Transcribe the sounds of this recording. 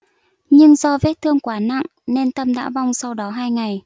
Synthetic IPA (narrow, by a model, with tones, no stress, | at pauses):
ɲɨ˧ŋzɔ˧ve˦˥t̚t̪ʰɨ˧əŋkwaː˧˩na̰˧˨ŋ | ne˧nt̪ə˧mɗa̰ː˧˥va˧wŋ͡msa˧wɗɔ˨˦ɦaː˧jŋa˨˩j